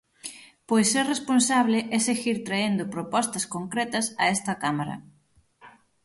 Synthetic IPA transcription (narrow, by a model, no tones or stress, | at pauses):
pojsːɛresponsaβlɪʔɛseɣiɾt̪ɾaend̪ʊpɾopɔst̪ɐskoŋkɾɛt̪ɐsɐ̰ɛst̪ɐkamaɾɐ̰